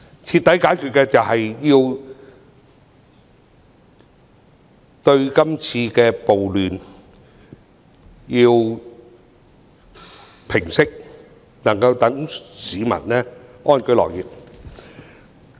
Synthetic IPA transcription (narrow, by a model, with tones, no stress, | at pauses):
t͡sʰi˧t̪ːɐ˨˥jkaː˨˥jkʰy˨t̚kɛː˧t͡sɐ˨whɐ˨jjiː˧w | t̪ɵ˧ɥkɐ˥mt͡sʰiː˧kɛː˧po˨wlyː˨˩n | jiː˧w | pʰɪ˨˩ŋsɪ˥k̚ | nɐ˨˩ŋkɐ˧wt̪ɐ˨˥ŋsiː˨˧mɐ̰˨˩nlɛː˥ʔɔː˥nkɵ˥jlɔ̰ː˨˩kjiː˨p̚